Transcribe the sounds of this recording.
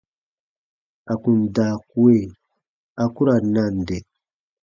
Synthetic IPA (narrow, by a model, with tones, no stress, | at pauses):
a˨ku˨nda˨ku˦e˦˨ | a˨ku˦ɾa˨na˦˨n˨de˨